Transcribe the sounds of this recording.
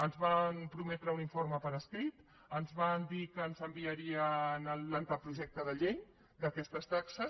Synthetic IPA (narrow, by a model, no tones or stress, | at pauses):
ənzβanpɾumɛt̪ɾəuniɱforməpəɾəskɾit̪ | ənzβand̪ikəːnzəmbiəɾiənəllant̪əpɾuʒɛk̚t̪əðəʎej | d̪əkɛst̪əst̪aksəs